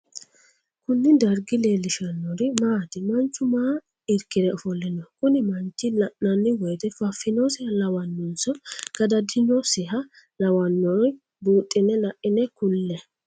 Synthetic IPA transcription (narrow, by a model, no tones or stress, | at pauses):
kʊnːɪd̪ɐɾɡɪle̞ːlɪʃɐnːɔɾɪmaːt̪ɪmɐnt͡ʃːʊmaː | ɪɾkːɪd̪ɛɔfɔlːɛnɔkʊnɪmɐnt͡ʃːɪlɐʔnɐnːɪwɔjt̪ɛfɐfːɪnɔsɪhɐlɐwɐnːɔnsɔɡ̥ɐd̪ɐd̪ɪnɔsɪɦɐ | lɐwɐnːɔn | buːt̪ʼːɪnːɛlɐʔɪnɛkʊlːɛ